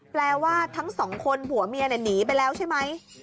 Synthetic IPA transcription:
plɛː˧waː˥˩t̪ʰa˦˥ŋsɔː˩˦ŋkʰo˧npu˨˩˦ɐmiː˧a˧na˨˩niː˩˦p̬a˧jlɛː˦˥wt͡ɕʰa˥˩jma˦˥j

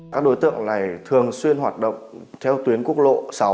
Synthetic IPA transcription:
aː˦˥k̚ɗo˨˦jt̪ɨ̰˧˨əŋlaː˨˩jt̪ʰɨ˨˩əŋswi˧ənɦwaː˨˩t̚ɗə̰˧˨wŋ͡m | t̪ʰɛ˧wt̪wi˨˦ənku˦˥ək̚lo̰˧˨sa˨˦

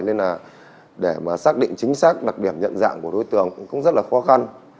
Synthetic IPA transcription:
jle˧naː˨˩ | ɗe˧˩maː˨˩saː˦˥k̚ɗḭ̈˧˨ŋ̟t͡ɕï˨˦ŋ̟saː˦˥k̚ɗa˨˩ɗi˧˩əmɲə̰˧˨nza̰ː˧˨ŋku˧˩əɗo˧jt̪ɨ˨˩əŋkʊ̰˧˥ŋ͡mzə˦˥t̚laː˨˩xɔ˨˦xa˧n

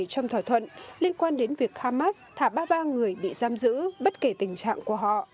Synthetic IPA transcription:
jt͡ɕɔ˧wŋ͡mt̪ʰaː˧˩t̪ʰwə̰˧˨nli˧ənkwaː˧nɗe˨˦nvi˨˩ək̚haː˧maː˦˥st̪ʰaː˧˩ɓaː˧ɓaː˧ŋɨ˨˩əjɓḭ˧˨zaː˨˦mzɨ̰˧˥ɓə˦˥t̚ke˧˩t̪ï˨˩ŋ̟t͡ɕa̰ː˧˨ŋku˧˩əɦɔ̰˧˨

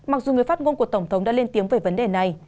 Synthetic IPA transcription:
ma˨˩k̚zu˨˩ŋɨ˨˩əjfaː˦˥t̚ŋo˧nku˧˩ət̪ə˧˩wŋ͡mt̪ʰə˨˦wŋ͡mɗa̰ː˧˥le˧nt̪i˨˦əŋve˧˩və˨˦nɗe˨˩na˨˩j

